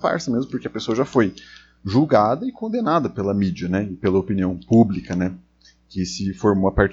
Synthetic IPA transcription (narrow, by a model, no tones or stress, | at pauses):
pa̰ɾsɐmezmʊpoɾkeɐpesoɐʒafoj | ʒuwɡad̪ɐɪkõd̪enad̪ɐpelɐmid͡ʒiɐnɛɪpelɐopiniɐ̃w̃publikɐnɛ | kɪsɪfoɾmoɐpaɾt͡ʃ